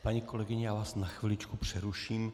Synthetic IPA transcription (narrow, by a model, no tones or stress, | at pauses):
paɲiːko̞lɛɡɪɲɛjaːvaːsnaxʋɪlɪt͡ʃkupr̝̥ɛɾuʃiːm